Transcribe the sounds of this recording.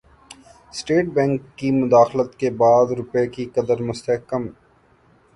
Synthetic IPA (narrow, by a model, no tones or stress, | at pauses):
sʈeːʈ̚bɛ̃ːŋkːimʊd̪aːxlət̪kebaːd̪ɾʊpekiqɐd̪əɾmʊst̪əɦkəm